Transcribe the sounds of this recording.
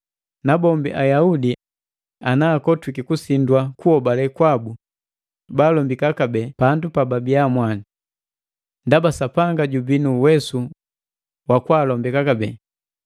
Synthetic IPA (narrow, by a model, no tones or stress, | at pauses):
nabɔmbiʔajaudi | anaːkɔtwikikusindwakuɔbalɛkwabu | baːlɔmbikakabɛpandupababiamwani | ndabasapaŋɡaɟubinuwɛsu | wakwaːlɔmbɛkakabɛ̰